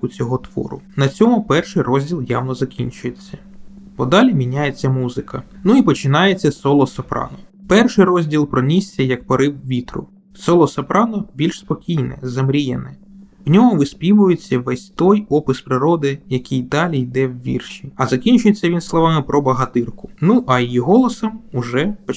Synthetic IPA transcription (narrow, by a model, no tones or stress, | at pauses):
ʊt͡sʲɔɦɔt̪ʋɔ̰ɾʊ̰nɐt͡sʲɔmʊpɛrʃɪjrɔzʲdʲilˠja̰wnɔzɐkʲinʲt͡ʃʊjet͡sʲːɐ | b̥ɔd̪ɑlʲimʲinʲajet͡sʲːɐmuzɪkʰɐnuipɔt͡ʃɪnɑjet͡sʲːɐsɔlˠɔsɐpɾɑ̰nɔpɛrʃɪjɾɔzʲdʲilˠpɾɔnʲisʲt͡sʲːɐjɐkpɐɾɪwʋʲit̪ɾʊ̰ | sɔlˠɔsɐpɾʔɑnɔbʲilʲʃspɔkʲijnɛ̰zɐmɾʲijɛ̰nɛ | wnʲɔɦɔʋɪspʲiʋʊjet͡sʲːɐʋɛsʲt̪ɔjɔpɪspɾɪɾɔd̪ɪjɐkɪjd̪ɑlʲijd̪ɛwʋʲḭrʃiɐzɐkʲinʲt͡ʃʊjet͡sʲːɐʋʲinslˠɔʋɑmɪpɾʔɔbɐɦɐt̪ɪrkʊnuʔɐjijiɦɔlˠɔsɐmʊʒɛpɔ